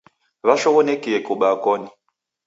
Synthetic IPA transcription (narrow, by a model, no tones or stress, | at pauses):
βaʃɔɣɔnekiɛkuɓakɔni